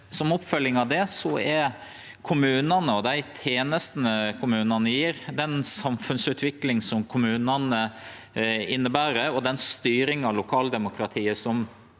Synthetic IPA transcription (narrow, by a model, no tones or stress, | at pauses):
sɔmɔpfœlːɪŋɑʋd̪ɛsɔɛɾ | kʰʊmʉːnɑnəɔd̪æɪt̪ʰeːnəst̪nəkʰʊmʉːnɑnəjiːɾd̪ɛnsɑmfʉnsʉːt̪ʰʋɪklɪŋsɔmkʰʊmʉːnɑnə | ɪnːəbæːɾəɔd̪ɛnst̪yːɾɪŋɑʋlʊkʰɑːld̪ɛmʊkɾɑt̪ʰiːəsɔm